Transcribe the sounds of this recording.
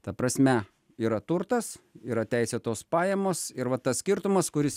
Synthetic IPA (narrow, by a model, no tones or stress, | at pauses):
t̪ɐpɾɐsʲmʲɛ | iːɾɐt̪ʊɾt̪ɐsiːɾɐt̪ʲæɪsʲet̪oːspɑːjɛmoːsɪɾʋɐt̪ɐssʲkʲɪɾt̪ʊmɐskʊɾʲɪs